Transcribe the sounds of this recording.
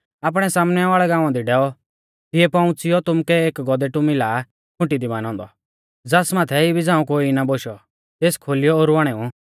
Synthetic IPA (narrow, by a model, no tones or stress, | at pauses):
aːp̬ɽ̃ɛsaːmnɛʋaːɭɛɡãːʊ̃ãd̪iɖɛːɔ | t̪ɪɛpɐ̃ʊ̃t͡sɪjɔt̪ʊmkɛeːkɡɔd̪ɛʈʊmiɪla | kʰʊ̃ʈid̪imaːnɔ̃ːnd̪ɔ | d͡zasmaːt̪ʰɛibid͡zãːũkoːinaboːʃɔ | t̪eːskʰoːlɪjɔːɾʊʋaːɽ̃ɛːũ